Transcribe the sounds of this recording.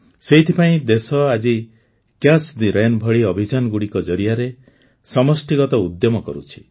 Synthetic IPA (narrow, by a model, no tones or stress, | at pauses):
seɦit̪ʰipaĩd̪esɔad͡ʒi | kjasd̪iɾajnbʱɔɭiɔbʱid͡ʒanɔɡuɽikɔd͡ʒɔɾijaɾe | sɔmɔsʈiɡɔt̪ɔud̪jɔmɔkɔ̰ɾut͡ʃʰi̥